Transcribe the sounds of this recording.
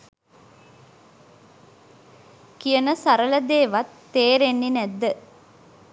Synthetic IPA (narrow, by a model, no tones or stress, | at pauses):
kijənəsaɾələd̪eːʋat̪ːeːɾenːinæd̪ːə